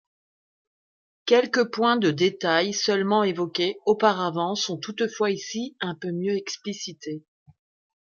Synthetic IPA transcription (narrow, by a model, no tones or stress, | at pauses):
kʲɛlkəpwɛ̃d̪əd̪et̪ajsœlmɑ̃evɔkʲeopaʁavɑ̃sɔ̃t̪ut̪fwaisiɛ̃pømjøɛksplisit̪e